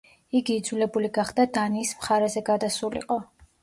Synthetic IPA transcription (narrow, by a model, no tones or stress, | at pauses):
iɡiːd̪zulɛbuliɡaχd̪ad̪aniːsmχaɾɛzɛɡad̪asulḭqʼɔ